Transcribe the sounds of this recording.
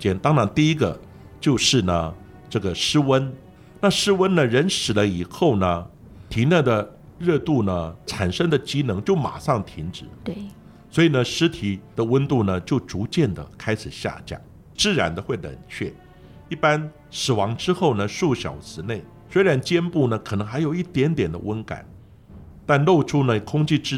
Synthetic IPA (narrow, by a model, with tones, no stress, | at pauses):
t͡ɕjɛ˥nt̪ɑ˥ŋɻɑ˧˥ŋt̪i˥˩i˥ɡə˨ | t͡ɕjo˥˧ʊʂɻ̩˥˩nə˩ | ʈ͡ʂɤ˥˩ɡə˩ʂɻ̩˥wə˥n | na˥˩ʂɻ̩˥wə˥nnə˨ɻə˧˥nʂɻ̩˨˩lə˦i˨˩xo˥˩ʊnə˩ | t̪ʰi˧˥nə˥˩d̪ə˩ | ɻɤ˥˧t̪u˥˩nə˩ʈ͡ʂʰa˨˩nʂə˥ŋd̪ə˨t͡ɕi˥nɤ˧˥ŋt͡ɕjo˥˩ʊma̰˨˩ʂɑ˥˩ŋt̪ʰi˧˥ŋʈ͡ʂɻ̩˨˩˦ | swɔ˧˥i˨˩nə˦ʂɻ̩˥t̪ʰi˨˩d̪ə˨wə˥nt̪u˥˩nə˩t͡ɕjo˥˩ʊʈ͡ʂu˧˥t͡ɕjɛ˥˩nd̪ə̰˩kʰa˥ɪʂʰɻ̩˨˩ɕja̰˥˧t͡ɕja̰˥˩ | ʈ͡ʂɻ̩˥˧ɻa̰˧˥nd̪ə˧xwe˥˩ɪlə̰˨˩nt͡ɕʰɥɛ˥˩ | i˥˩pa˥n | sɻ̩˨˩wɑ˧˥ŋʈ͡ʂɻ̩˥xo˥˩ʊnə˩ʂu˥˩ɕjɑ̰˨˩ʊʂɹɻ̩˧˥ne˥˩ɪ | swe˥ɪɻa˧˥nt͡ɕjɛ˥npu˥˩nə˩kʰɤ˨˩nɤ˧˥ŋxa˧˥ɪjo˨˩ʊi˥˩t̪jɛ˧˥nt̪jɛ˨˩nd̪ə̰˦wə˥nka̰˨˩˦n | t̪a˥˧nlo˥˩ʊʈ͡ʂʰu˥nə˨kʰʊ˥ŋt͡ɕi˥˧ʈ͡ʂɻ̩˥